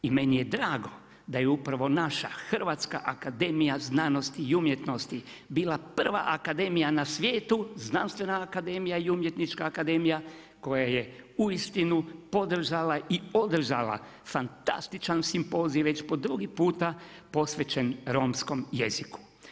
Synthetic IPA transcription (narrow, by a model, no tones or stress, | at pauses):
ime̞nije̞d̪ɾaːɡo̞ | d̪ajeupɾaʋo̞naʃa̰xr̩ʋat̪ska̰ʔakad̪e̞ːmijaznaːno̞st̪iːumje̞t̪no̞st̪i | bilˠapr̩ʋa̰ʔakad̪e̞mijanasʋje̞ːt̪uznanst̪ʋe̞naːkad̪e̞ːmijaiumje̞t̪nit͡ʃkaːkad̪e̞ːmija | ko̞jajeuist̪inupo̞d̪r̩ʒalaio̞d̪r̩ʒala̰ | fant̪a̰st̪it͡ʃansimpo̞ziʋe̞t͡ʃpo̞d̪ɾuɡipuːt̪apo̞sʋe̞t͡ʃe̞nɾo̞ːmsko̞mje̞ziku̥